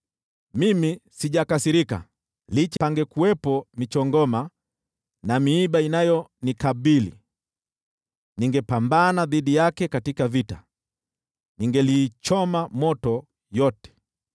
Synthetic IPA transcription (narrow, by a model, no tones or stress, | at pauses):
mimisiʄakasiɾika̰ | lit͡ʃaŋɡɛkuwɛpɔmit͡ʃɔŋɡɔma | namiːɓainajɔnikaɓilḭ | niŋɡɛpambanaðiɗijakɛkatikavita̰ | niŋɡɛlit͡ʃɔmamɔtɔ | jɔtɛ̥